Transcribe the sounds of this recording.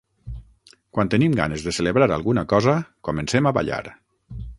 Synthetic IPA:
kwant̪ənimɡa̰nezðeseleβɾaɾa̰lˠɣunakɔzakomensemaβa̰ʎa̰ɾ

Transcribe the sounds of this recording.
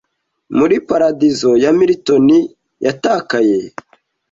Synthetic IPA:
muɾipaɾadizo̞jamiɾito̞ni | jʔataːkaje

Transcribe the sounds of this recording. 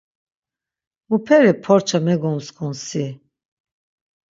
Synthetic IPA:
mupʰɛɾɛpʰɔɾt͡ʃʰamɛɡɔmskʰɔnsi

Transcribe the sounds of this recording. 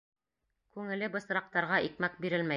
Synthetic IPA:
kʉŋɘ̆lɘbɤ̆s̆ɾɑq̚t̪ɑɾʁɑʔikmæk̚biɾɘlmæ

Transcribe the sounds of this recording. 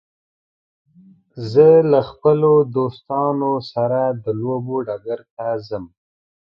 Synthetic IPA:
zəlaxpəlod̪ost̪ɑnosaɾad̪əloboɖaɡaɾt̪azəm

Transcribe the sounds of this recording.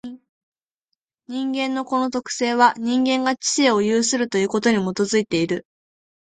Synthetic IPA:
ɲ̟ĩŋɡẽ̞nːo̞ko̞no̞t̪o̞kɯ̟̥se̞ːβaɲ̟ĩŋɡẽ̞ŋɡat͡ɕi̥eo̞jɯːsɨɾɯ̟t̪o̞jɯ̟ːko̞t̪o̞ɲ̟imo̞t̪o̞zɨit̪e̞iɾɯ̟

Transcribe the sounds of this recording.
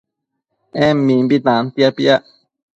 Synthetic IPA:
ɛ̃mːĩmbit̪ãnt̪iapiaʔ

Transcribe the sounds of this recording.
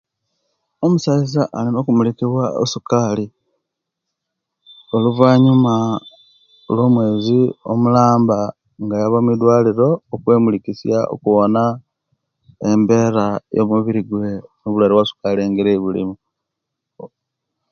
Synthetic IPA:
omusaizaʔalimokumulikiβwao̰sukaːli | o̞luvaːɲuma | lwo̞ːmwe̞ːzio̰mulaːmba | ŋɡajaβamid̪waːliɾo̞ːkwe̞ːmulikisjao̰kuwona | embe̞ːɾajo̰muβiɾiɡwe̞noβulaɾiwasu̥kaleŋɡiɾeβulḭmu

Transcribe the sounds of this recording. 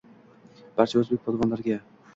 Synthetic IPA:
b̥aɾt͡ʃʰaɵzbek̚ʲpʰɒd̪vɒnlaɾɡʲa

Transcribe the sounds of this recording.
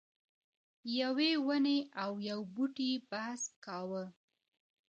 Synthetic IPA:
jawewəneawjawbuʈibahskɑwə

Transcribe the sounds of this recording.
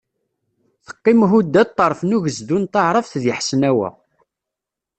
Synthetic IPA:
θə̥qːimɦud̪ːæt̪ˤːɑɾˤfənuʝəzd̪unt̪ɑʕɾˤəfθðjəħsənæwæ̰

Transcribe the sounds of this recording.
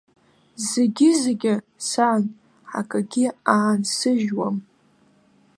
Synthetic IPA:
zeɡʲɪzeɡʲɪ | san | ħa̰kʼaɡʲɪaːnsɨʒwam

